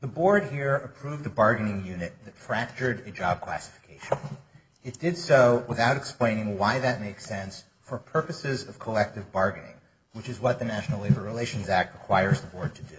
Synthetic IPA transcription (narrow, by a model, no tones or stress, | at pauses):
ðəbɔɹd̚hiɹɨpʰɹ̥uvðɨbɑɹɡɨnɪ̃ŋjʉnɨt̪̚ðɨtfɹæk̚t͡ʃə˞ɾɨ̥d͡ʒɑb̚kʰl̥æ̰sə̥fə̥kʰeɪʃɨ̃n | ɨt̚d̥ɪd̥soʊwəθaʊɾɨksplẽɪ̃nɪ̃ŋwaɪðɨt̚meɪksɛ̃ns | fə˞pʰɜ˞pɨsɪzʌv̥kʰəlɛk̚tɨvbɑɹɡɨnɪ̰̃ŋ | wɨt͡ʃɨzwʌt̪̚ðɨnæʃn̩l̩ˠleɪbə˞ɹileɪʃɨ̃n̩zæk̚t̚ɹəkʰw̥aɪə˞zðəbɔɹd̚tʰɨdʉ